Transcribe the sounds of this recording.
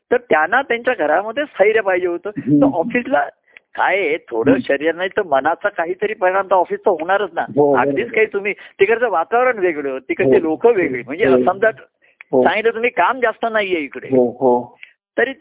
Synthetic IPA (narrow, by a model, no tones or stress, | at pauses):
t̪əɾt̪janːat̪jaɲt͡ɕjaɡʱəɾaməd̪ʱːjesʰəiɾjapaɦid͡ʑeɦot̪əːt̪əɾʔɔfisla | kajet̪ʰoɽəːɕəɾijəɾnaɦit̪əmənat͡sakaɦiːt̪əɾiːpəjɾant̪aɔfiːst͡səɦoɽ̃aɾət͡s̪na̰ɦoa̰ɡd̪iːt͡skaɦiːt̪um̤iːt̪ikəɾt͡səʋat̪aʋɾəɳʋeɡɭjət̪ikəɾt͡s̪elokʰəʋeɡɭiːm̤əɳd͡zeəsəmd̪aʈ | ɦsãŋɡit̪lət̪um̤iːkamd͡zast̪ənaɦijeikəɽḛɦɦo | t̪əɾiː